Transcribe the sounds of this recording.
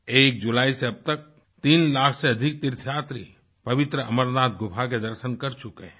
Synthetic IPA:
eːk̚d͡ʒʊlaːiseɐb̚t̪ək̚ | t̪iːnlaːkʰseɐd̪ʱɪk̚t̪ɪɾt̪ʰjaːt̪ɾḭ | pɐʋɪt̪ɾəɐməɾnaːt̪̚ʰɡʊpʰak̬ed̪ɐɾʃənkɐɾt͡ʃʊke

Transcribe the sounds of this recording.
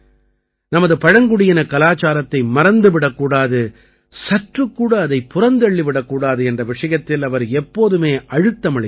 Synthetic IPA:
nɐmɐðɯpɐɻɐŋɡɯɽɪjɪnɐkɐlaːt͡ʃaːɾɐt̪ːɐɪmɐɾɐnd̪ɯʋɪɽɐkːuːɽaːðɯ | sɐʈrɯkːuːɽɐːðɐɪpʊrɐnd̪ɛɭːiʋɪɽɐkːuːɽaːðɯɛndrɐʋɪʂɐjɐt̪ːɪlɐʋɐɾɛpːoːðɯmeːʔɐɻɯt̪ːɐmɐɭɪ

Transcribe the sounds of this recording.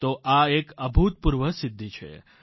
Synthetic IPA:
t̪oʔaekəbʱut̪̚puɾʋəsɪd̪ʱːit͡ʃʰḛ

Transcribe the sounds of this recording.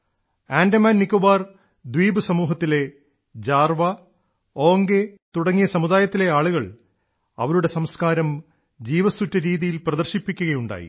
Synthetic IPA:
aːndɐmaːnnikːobaːr | d̪wiːbɨsɐmuːɦɐt̪ːile̞ | d͡ʑaːrʋɐ | o̞ːŋɡet̪uɽɐŋːijɐsɐmuðaːjɐt̪ːile̞aːɭuɣɐɭ | ɐ̰ʋɐɾuɽe̞sɐmskaːɾɐm | d͡ʑiːʋɐsutːɐɾiːðijilprɐðɐrɕipːikʲːuɣɐjuɳɖa̰ːjḭ

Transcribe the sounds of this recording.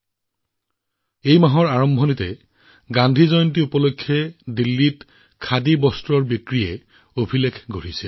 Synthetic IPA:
ejmaɦɔɹaɹɔmbʱɔnitɛ | ɡandʱizɔjɔntiupɔlokʰːjɛdilːit | kʰadibɔstɹɔɹbikɹijɛ | obʱilekʰɡʱoɹisɛ

